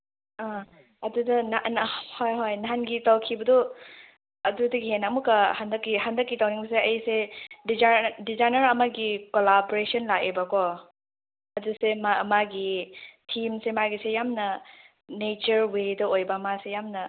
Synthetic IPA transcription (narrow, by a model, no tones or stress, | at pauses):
a | ɐdudɐnanhojɦojnɦanɡitawkʰibɐdɔ | ɐdudɐɡiɦenamukɐhandɐkːihandɐkːitawniŋbseɐjsedizadizajnɐɾɐmaɡikolaboɾesɔnlakebakɔ | ɐdusemamaɡitʰimsemaɡisejamnɐ | net͡ʃɐɾwedɐojbɐmasejamnɐ